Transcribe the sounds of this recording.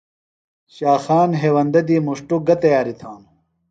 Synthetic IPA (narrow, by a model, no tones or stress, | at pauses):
ɕaːxaːnɦeːwɐnd̪ɐd̪iːmuʂʈuɡɐt̪ɐjaːɾit̪ʰaːn